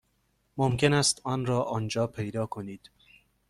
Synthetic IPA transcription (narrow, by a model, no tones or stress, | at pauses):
momkʰe̞næːst̪ɒːnɾɒːʔɒːnd͡ʒɒːpʰe̞jd̪ɒːkʰoniːd̪̥